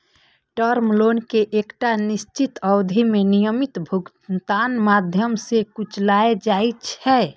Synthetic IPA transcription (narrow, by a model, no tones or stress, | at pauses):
ʈəɾmlonkeʔekʈanist͡ʃit̪əwd̪ʱimenijəmit̪bʱuɡ | t̪anmad̪ʱjəmsekut͡ʃʰlaed͡ʒajt͡ʃʰɛ